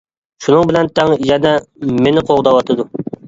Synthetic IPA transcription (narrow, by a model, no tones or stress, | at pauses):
ʃunɨŋbɪlɛnt̪ʰɛŋjɛnɛmenɪqʰoʁd̪ɑwɑt̪ʰɨd̪u